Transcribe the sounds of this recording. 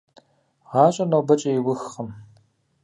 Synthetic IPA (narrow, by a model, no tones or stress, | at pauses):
ʁɑːɕʼɐnowbɐt͡ʃʼɐjɪwʊxχəm